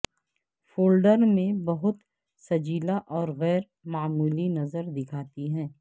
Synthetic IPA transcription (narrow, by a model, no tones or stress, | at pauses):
foːlɖəɾmẽbɐɦʊt̪ | sɐd͡ʒiːlaʔɔːɾɣɛːɾ | maːmuːlinɐzəɾd̪ɪkʰaːt̪iɦɛ̃ː